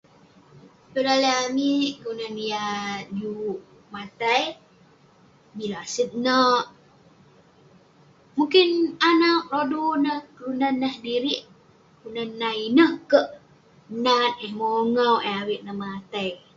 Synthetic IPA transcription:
pəlaləamiʔkəunanijadiuʔ | mat̪aj | milasət̪̚nəʔ | muŋkɪnanak̚ɾodonəhkəlunanːəhdiɾiʔ | kəɾunanːainəhkəʔ | nat̪̚əhmoŋawʔəawiʔnəhmat̪aj

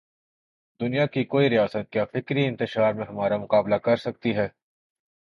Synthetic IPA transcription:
d̪ʊnijakikoːiɾijaːsət̪̚kjafɪkɾiɪ̃nt̪ɪʃaːɾmẽɦɐmaːɾamʊqaːblakɐɾsɐk̚t̪iɦɛː

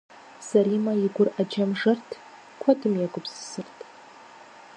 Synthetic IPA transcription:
saɾimaiɡʷʊrad͡ʒamʐɨrtʰ | kʷʰadɨmjaɡʷʼʊpʰssɨrtʰʼ

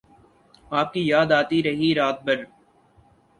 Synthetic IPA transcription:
aːp̚kijaːd̪aːt̪iɾɐɦiɾaːt̪̚bəɾ

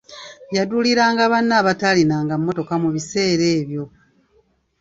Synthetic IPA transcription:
jaduliɾaːŋɡaβanːaːβatalinaːŋɡamːo̞to̞kamuβise̞ːɾe̞ːβjo̞

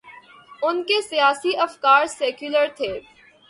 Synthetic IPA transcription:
ʊnkesijaːsiʔɐfkaːɾsɛːkjʊləɾt̪ʰeː

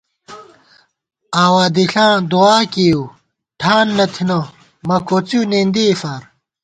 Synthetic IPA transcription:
aːwaːd̪iɬãːd̪uaːkiu | ʈʰaːnːɐt̪ʰino | mɐkot͡sunend̪eːfaɾ

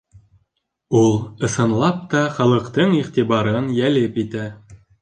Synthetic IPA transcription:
ulˠɤ̆sɤ̆nlˠɑp̚t̪ɑχɑlˠɤ̆qt̪ɤɴiʁt̪iβɑɾɤnjælɘpit̪æ

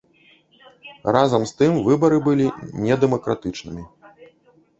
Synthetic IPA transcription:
razɐmst̪ɨmvɨbɐɾɨbɨlʲinʲɛd̪ɛmɐkɾat̪ɨt͡ʂnɨmʲi

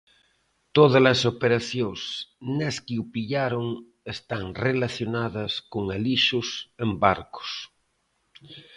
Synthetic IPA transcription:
t̪oðalasopeɾaθjosneskiupiʎaɾoŋ | est̪aŋrelaθjonaðɐskoŋaliʃosembaɾko̥s

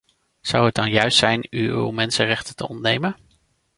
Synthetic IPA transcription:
z̥ɑwɦət̚dɑnjœɥstsɛjnyy̰wmɛnsərɛχtəntə̰ɔ̰ntnejmən

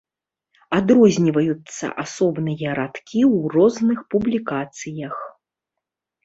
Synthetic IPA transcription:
ad̪ɾɔzʲnʲivɐjut̪sːɐ̰ʔasɔbnɨjɐɾat̪kʲiwrɔznɨxpublʲikat̪sɨjɐx

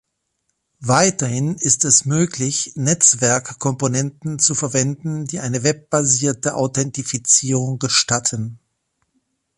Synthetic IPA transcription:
vaɪtɐhɪnɪstɛsmøːklɪçnɛt͡sv̥ɛɐkːʰɔmponɛntn̩t͡sufɛɐvɛndn̩diːʔaɪnəvɛp̚b̥aziːɐtəʔa̰ʊtʰɛntifit͡siːʁʊŋɡəʃtatʰən

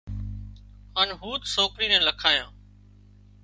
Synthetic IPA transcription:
haːnɦuːt̪soːkɾiːnɛ̃ːləkʰaːjãː

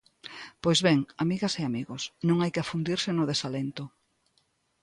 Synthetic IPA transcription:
pojzβeŋamiɣɐseamiɣosnõŋajkɪafund̪iɾsɪnʊðesalent̪ʊ

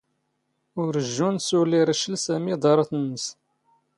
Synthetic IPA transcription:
ʊɾəʒːunsuliɾəʃəlsæmid̪ˤɑɾˤɑθənːəs

